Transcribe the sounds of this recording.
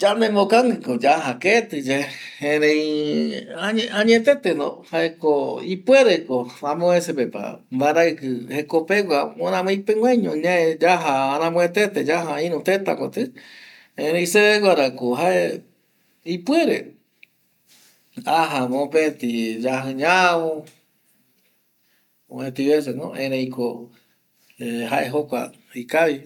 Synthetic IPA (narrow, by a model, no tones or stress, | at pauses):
d͡ʒanẽmõkaŋɡɨkod͡ʒaɦaket̪ɨd͡ʒeẽɾẽĩ | aɲeãɲẽt̪et̪enõ̰haekoipweɾekoãmõesepepa̰mbaɾakɨhekopeɡʷaõnãmẽipeŋwʷẽɲõɲãed͡ʒaɦaːɾãmõẽt̪et̪ed͡ʒaɦaĩɾũt̪et̪a̰kot̪ɨ | ẽɾẽĩseeɡʷaɾakoɦaʔe | ipweɾe | aɦamõpet̪id͡ʒaɦɨ̃ɲawõ | õẽt̪iβes̬enõ̰ʔẽɾẽikʰo | ehaʔeɦokʷa̰ | ikaβi